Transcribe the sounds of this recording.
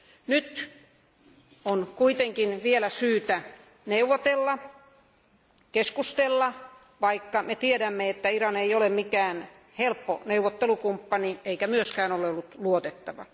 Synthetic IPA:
nyt̪ | onkuit̪eŋkinʋielæsyːt̪æ | neuʋːot̪elːɑ | keskust̪elːɑ | ʋɑikːɑmet̪iedæmːeet̪ːæirɑneijolemmikæːn | helpːo̰neuʋːˑot̪ːelukumpːɑnieikæmyøskæːnolːeolːut̪luot̪et̪ːɑʋɑ̰

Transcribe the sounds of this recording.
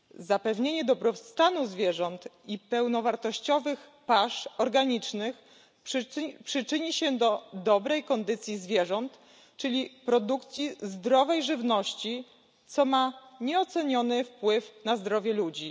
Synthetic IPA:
zapɛvɲeɲɛd̪ɔbɾɔfst̪anuzvʲjɛʐɔnt̪ipɛwnɔvaɾt̪ɔɕt͡ɕɔvɘxpaʂɔɾɡaɲit͡ʂnɘx | pʂɘt͡ʂɘɲiɕɛd̪ɔd̪ɔbɾɛjkɔnd̪ɘt̪sʲjizvʲjɛʐɔnt̪ | t͡ʂɘlʲipɾɔd̪ukt̪sʲjizd̪ɾɔvɛjʐɘvnɔɕt͡ɕi | t̪sɔmaɲɛɔt̪sɛɲɔnɘfpwɘfnazd̪ɾɔvʲjɛlud͡ʑi

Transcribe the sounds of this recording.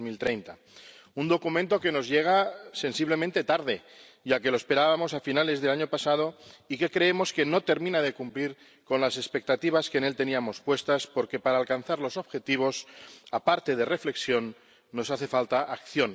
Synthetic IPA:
milt̪ɾejnt̪a | und̪o̞kumẽnt̪o̞ke̞no̞zʝe̞ɣ̞ase̞nsiβle̞mẽnt̪e̞t̪aɾðe̞ | ʝake̞loespe̞ɾaβamo̞safinale̞zðe̞laɲopasað̞o̞ike̞kɾeemo̞ske̞no̞t̪e̞ɾmĩnað̞e̞kumpliɾ | ko̞nlase̞spe̞k̚t̪at̪iβ̞askene̞lt̪e̞niamo̞spwe̞st̪aspo̞ɾke̞paɾaːlkanθaɾlo̞so̞β̥xe̞t̪iβ̞o̞sapaɾt̪e̞ð̞e̞re̞fle̞ksjo̞nː | o̞saθe̞falt̪aʔakθjo̞n

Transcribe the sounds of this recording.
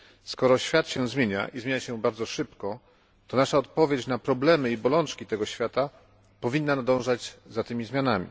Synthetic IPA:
skɔɾɔɕfʲjat̪ɕɛzmʲjeɲa̰ʔizmʲeɲaɕɛbaɾd̪zɔʂɘpkɔ | t̪ɔnaʂaɔt̪̚pɔvʲjet͡ɕnapɾɔblɛmɘibɔlɔnt͡ʂkʲit̪ɛɡɔɕfʲjat̪a | pɔvʲinːanad̪ɔ̃w̃ʐad͡ʑzat̪ɘmʲizmʲjanamʲḭ

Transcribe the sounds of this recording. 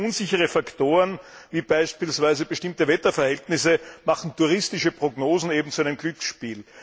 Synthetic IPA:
ʔunzɪçəʁəfaktoːʁənviːb̥aɪʃpiːlsv̥æɪzəbəʃtɪmtəvɛtɐfɛɐhɛltnɪsəmaχn̩tuʁɪstɪʃəpʁ̥oɡnoːzn̩eːbm̩t͡sʊæɪnəmɡ̥lʏksʃpiːl

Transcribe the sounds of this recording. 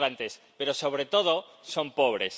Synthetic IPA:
ɾant̪es | peɾosoβ̞ɾet̪oð̞o | sompoβ̞ɾes

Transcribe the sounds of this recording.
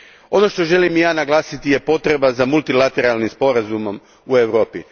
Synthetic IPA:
o̞no̞ʃt̪o̞ʒe̞limjaːnaɡlˠaːsit̪ije̞po̞t̪ɾe̞bazamulˠt̪ilˠat̪eɾalˠnimspo̞ɾazumo̞m | ue̞ʋɾo̞ːpi

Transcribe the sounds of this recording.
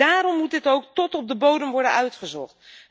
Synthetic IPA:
aːɾɔmːut̚dɪtowktɔtɔp̚dəbowdəmʋɔɹdənœɥtχəzɔ̰χt

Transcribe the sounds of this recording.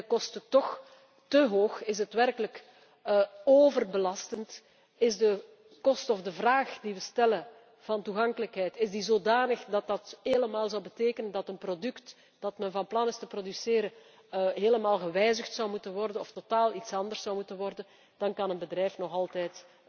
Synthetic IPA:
əkɔstətɔx | təɦoːxɪzɦətʋɛrkələkː | oːvərbəlɑstənt | ɪzdə | kɔstɔvdəvraːxdiʋəstɛlə | v̥ɑntuɣɑŋkələkɦɛjtɪzdizoːdaːnəxdɑt̚dɑtheːləmaːlˠzɔwbəteːkənəndɑtənprodʏkt | d̥ɑtmɛnvɑnplɑnɪstəprodysɪːɾə | ɦeːləmaːlˠɣəʋɛjzəxtsɑwmutənʋɔrdənɔftotaːlˠitsɑndərsːɑwmutənʋɔrdən | d̥ɑnkɑnənbədrɛjfnɔɣɑlˠtɛjt

